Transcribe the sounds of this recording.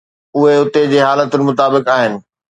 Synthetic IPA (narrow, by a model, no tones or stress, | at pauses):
ʊɦeɦʊt̪ed͡ʑeːɦaːlət̪ʊnɪ̆mʊt̪aːbɪkaːɦɪnɪ̆